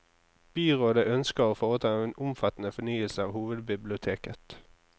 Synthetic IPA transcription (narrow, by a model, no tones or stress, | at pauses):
b̥yːʁoːd̪əʔœnskəʁoːfoːʁət̪ʰɑːenʊmfɑt̪n̩əfɔnyːəlsəɑːʋhuːʋəd̪bɪblɪʊt̪ʰeːkət̪